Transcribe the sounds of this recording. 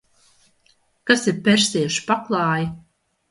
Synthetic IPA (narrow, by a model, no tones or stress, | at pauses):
kasiɾpʲɛɾsʲiːʃpaklˠɑːji